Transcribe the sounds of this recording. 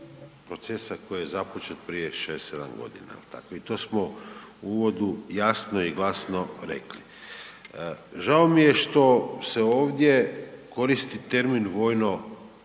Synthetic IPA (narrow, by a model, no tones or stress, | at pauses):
pɾo̞t̪se̞sako̞jijezapot͡ʃet̪pɾije̞ʃeːst̪ːed̪a̰mɡo̞̰d̪ḭna̰ḛlt̪ʰa̰koit̪o̞smouuʋo̞d̪ujasno̞iɡlˠasnoɾe̞̰kli | ʒaomije̞ʃt̪o̞se̞o̞ːʋd̪ʲje̞ko̞ɾist̪it̪e̞ɾminʋo̞ːjno̞